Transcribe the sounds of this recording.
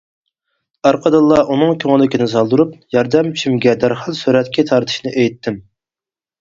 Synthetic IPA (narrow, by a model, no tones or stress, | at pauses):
ɑɾqʰəd̪ɑlˠːɑʔunɨŋkʲʰøŋɪlɪkʲinɪs̬ɑlˠd̪uɾupjɑɾd̪ɛmt͡ʃʰimɡʲɛd̪æɾχɑlˠsyɾɛt̪kʲɛt̪ʰɑɾt̪ʰɨ̥ʃnɨʔejt̪ʰːɪm